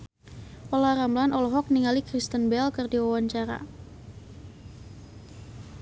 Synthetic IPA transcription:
ɔlaɾamlanɔlɔɦɔk̚niŋalikɾist̪ənbɛlkɨrdiwawaɲt͡ʃaɾa̰

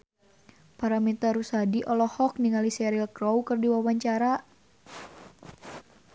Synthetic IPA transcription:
paɾamit̪aɾusadiʔɔlɔhɔkniŋalisɛɾilkɾɔwkərdiwawaɲt͡ʃaɾa

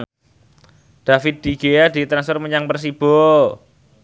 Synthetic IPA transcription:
d̥afɪt̪̚d̪̥iɡ̥ejad̥i̤t̪ɾansfɔrməɲaŋbərsib̥ɔ

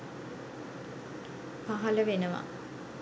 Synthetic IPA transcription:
paɦɐləʋenəʋɐ̰

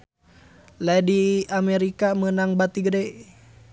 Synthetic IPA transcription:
lajdiameɾikamənaŋbat̪iɡdɛ

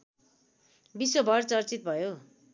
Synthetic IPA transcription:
biswobʱʌrt͡sʌrt͡sit̪̚bʱʌjo

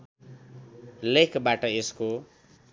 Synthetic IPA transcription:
lekʰbaʈʌesko

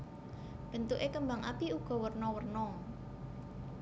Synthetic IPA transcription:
b̥ə̤nt̪uʔekəmbaŋʔa̰piuɡ̥ɔ̤wərnɔwərnɔ

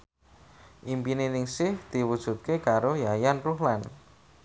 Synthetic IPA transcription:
ʔimpinenɪŋsɪhd̪̥i̤wud̥ʒ̥ṳt̪̚kekaɾojajanruɦlan

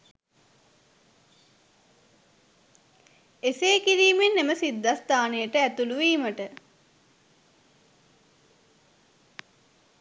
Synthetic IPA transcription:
eseːkiɾiːmenːeməsid̪ːast̪aːnejəʈəæt̪uluʋiːməʈə

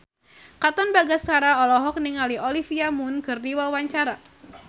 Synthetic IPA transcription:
kat̪ɔnbaɡaskaɾaɔlɔɦɔk̚niŋaliɔlifiamʊnkɨrdiwawaɲt͡ʃaɾa

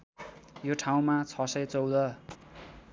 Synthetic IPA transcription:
joʈʰaw̃mat͡sʰʌsʌjt͡sʌwd̪ʌ

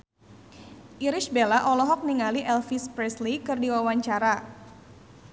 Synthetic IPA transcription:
ʔiɾɪʃbelaʔɔlɔɦɔk̚niŋaliʔɛlfispɾɛslikɨrdiwawaɲt͡ʃaɾa

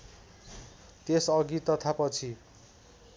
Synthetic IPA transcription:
t̪esʌɡit̪ʌt̪ʰapʌt͡sʰi

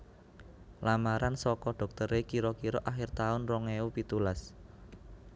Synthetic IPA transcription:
lamaɾansɔkɔɖ̥ɔ̤k̚t̪əɾekiɾɔkiɾɔʔaxɪrt̪aʊnrɔŋeupit̪ulas

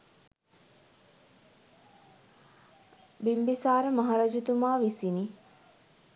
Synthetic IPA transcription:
bimbisaːɾəmaɦaɾɐd͡ʒit̪umaːʋisini

